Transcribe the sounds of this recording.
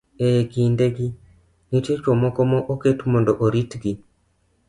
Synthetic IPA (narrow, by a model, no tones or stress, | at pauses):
ekindeɡi | nitjet͡ʃomɔkɔmɔʔoketmondɔʔoɾitɡi